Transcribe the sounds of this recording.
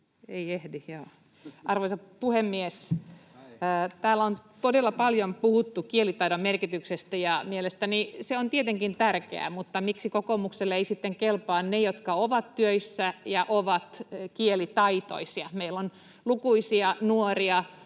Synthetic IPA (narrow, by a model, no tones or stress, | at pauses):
eiehdihjoː | ʔɑrʋoisɑpuhemːies | t̪æːlont̪odelːɑpɑljompuhut̪ːukielit̪ɑidommerkit̪yksest̪æjɑmielest̪æniseont̪iet̪eŋkint̪ærkḛæ̰mut̪ːɑmiksikokomukselːeisit̪ːeŋkelpɑːnnejot̪kɑoʋɑt̪tyøisːæjɑʔoʋɑt̪kielit̪ɑit̪o̰isiɑmeilːon | lukuisiɑnuoriɑ